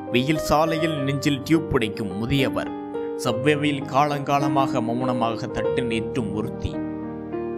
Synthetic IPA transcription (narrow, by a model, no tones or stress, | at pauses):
ʋɛjɪlsaːlɐjɪlnɪɲd͡ʒɪlʈjuːbːɪɽɐɪkːɯmːʊðɪjɐʋɐ̰ɾ | sɐbʋeːʋɐjɪlkaːɭɐŋɡaːlɐmaːɣɐmɐmʊɳɐmaːɣɐt̪ːɐʈːɯneːʈrɯmʊɾɯt̪ːḭ